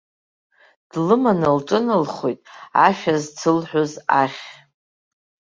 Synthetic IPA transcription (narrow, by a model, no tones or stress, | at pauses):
d̥lɨmanɨlʈ͡ʂʼɨnɨlχojtʼa̰ʃᶣazt͡sʰɨlħʷᶣʊzaχʲ